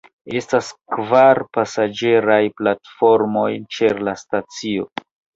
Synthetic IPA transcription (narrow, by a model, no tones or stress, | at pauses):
e̞staskvaɾpasad͡ʒe̞ɾajplatfo̞ɾmo̞jt͡ʃe̞ɾlastat͡sio̞̰